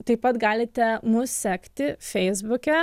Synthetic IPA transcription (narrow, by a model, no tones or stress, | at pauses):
t̪ɐɪpɐt̪ɡɑːlʲɪt̪ʲɛmʊssʲæːkt̪ʲɪfʲɛɪzbʊkʲɛ